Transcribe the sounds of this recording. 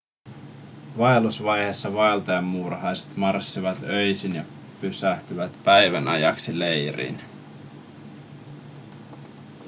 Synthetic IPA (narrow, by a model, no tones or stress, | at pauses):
ʋɑelusʋɑjhesːɑʋɑelt̪ɑjɑmːurhɑjse̥t̪mɑrsːiʋɑt̪øjsinjɑ | pysæht̪yʋæt̪pæjʋænʔɑ̰jɑ̰ksilejɾḭːn